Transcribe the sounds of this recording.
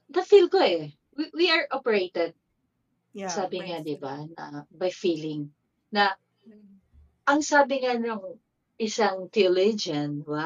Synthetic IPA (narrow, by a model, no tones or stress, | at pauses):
nɐfilko̞ɛ | wiwiɐɹʔopɛɹejt̪ɛd̪̚ | saːbɪŋad̪ɪbanɐ̰bɐjfiːlɪŋ | nɐ | ʔɐŋsaːbɪŋanʊŋ | ɪsaŋt̪ilid͡ʒɐnwa